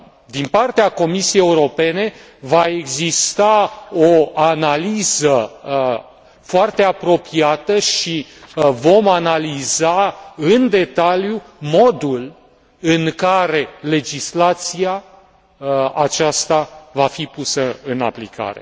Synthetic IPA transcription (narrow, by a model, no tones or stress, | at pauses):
d̪inpart̪eako̞misiejeuɾo̞pe̞ne̞ | vae̞ɡzist̪aoanalizə | foart̪e̞apɾo̞piat̪əʃivo̞manalizaɨnd̪e̞t̪aljumo̞d̪ul | ɨŋkaɾe̞le̞d͡ʒislat̪sia | at͡ʃast̪avafipusəɨna̰plikʰa̰ɾe̞